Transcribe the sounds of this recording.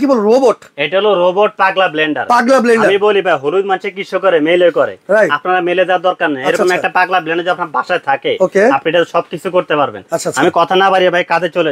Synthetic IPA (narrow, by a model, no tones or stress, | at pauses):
kibolɾoboʈeʈaɦoloɾoboʈ̚paɡlableɳɖa̰ɾpaɡlableɳaɖaɾmibolibʱajɦoɾud̪manʃekiʃokoɾemelojkɔɾḛɾajapnaɾameled̪ɛwaɾd̪ɔɾkaɾnaeɾɔkkomɛkʈapaɡlableɳɖaɾd͡ʑoapnaɾbʱaʃaet̪ʰakeokeapniʈaʃɔb̚kit͡ɕʰukoɾt̪epaɾbḛnaʃʰaamikɔt̪ʰanabaɾibabʱajkad͡ʑ̪ʱet͡ɕole